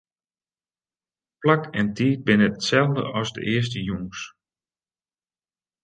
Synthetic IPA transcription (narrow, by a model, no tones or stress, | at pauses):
plakɛntiːt̚bɪnəətsɛlˠdə̰ɔszdə̰ʔɪəs̬təjuŋs